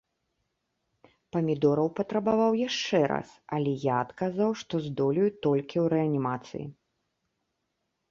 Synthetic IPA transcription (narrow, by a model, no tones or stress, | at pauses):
pɐmʲid̪ɔɾɐwpɐt̪ɾɐbavawjaʂt͡ʂɛɾa̰sɐlʲɛjaːt̪kazawʂt̪ɔzd̪ɔlʲujut̪ɔlʲkʲiwɾɛɐnʲimat̪sɨ̰jḭ